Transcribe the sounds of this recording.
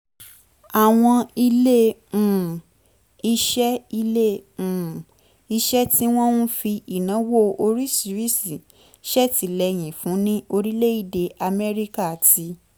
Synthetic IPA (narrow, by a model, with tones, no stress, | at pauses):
a˨w̃ɔ̃˧i˧lẽ˦˨ | i˧ʃɛ˦i˧lẽ˦˨ | i˧ʃɛ˦ti˦w̃ɔ̃˦nũ˦fi˧i˨nã˨˦wo˦o˧ɾi˦si˧˦ɾi˦si˨ | ʃɛ˦˨ti˨˦lɛ˧j̃ĩ˨fũ˨˦nĩ˦o˧ɾi˦le˦i˦˨de˧a˧mɛ˦ɾi˦ka˦˨tʰi˧˦